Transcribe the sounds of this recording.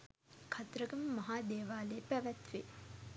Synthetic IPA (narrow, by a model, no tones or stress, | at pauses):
kʰat̪ɾəɡəməmɐɦaːd̪eːʋaːlepæʋæt̪ʋe